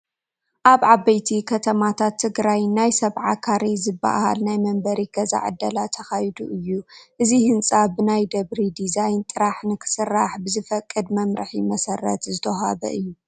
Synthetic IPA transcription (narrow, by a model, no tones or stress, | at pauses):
ʔaβʕabɐjt̪ʰikʰɐt̪ʰɐmat̪ʰat̪ʰːɨɡɾajnːajsɐβʕa̰kʰaɾezɨbːa̰ha̰lnajmɐmbɐɾiɡɐza̰ʕɨ̰d̪ːɐlat̪ʰɐxajd̪uʔɨjːuʔɨzihɨnt͡sʼabɨnajd̪ɐβɾid̪izajnt̪ʼɨɾaħnɨkʰɨ̥sɨrːaħbɨzɨfɐkʼːɨd̪mɐmɾɨħḭmɐsɐrːɐ̰t̪zɨt̪ʰɐɦa̰βɐ̰ʔɨjːu